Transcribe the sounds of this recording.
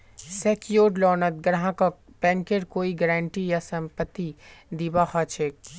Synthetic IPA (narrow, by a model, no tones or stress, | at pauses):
sɛːkjoːɾlɔːnət̪ɡəɾɦãka | pɛ̃ːŋkeɾkoːiɡəɾãːɳʈijasɐ̃mpət̪ːid̪iːbaxaːt͡ʃʰeːk̚